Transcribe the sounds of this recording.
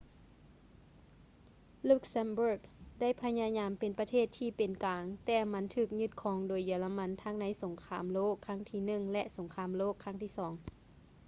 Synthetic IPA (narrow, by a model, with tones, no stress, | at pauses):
lu˧˥k̚sa˧˥mbu˧˩k̚da˥˩˨jpʰa˧˥ɲaː˧˥ɲaː˨˧˥mpe˨npa˧t̪ʰeː˥˩t̪ʰːiː˧˩pe˨nkaː˨ŋt̪ɛː˧˩ma˧˥nt̪ʰɯː˧˩k̚ɲu˧t̪̚kʰɔː˨˦ŋdoː˨˩˦jːɯ˨˩˦la˧ma˧˥˨nt̪ʰa˧˥ŋna˧˥jso˩˦ŋkʰaː˨˦mloː˥˩kʰːa˧˥˨ŋt̪ʰiː˧˩nɯ˧˩ŋlɛ˧ʔso˩˦ŋkʰaː˧˥˨mloː˥˩kʰːa˧˥ŋt̪ʰiː˧˥˩sɔː˩˦ŋ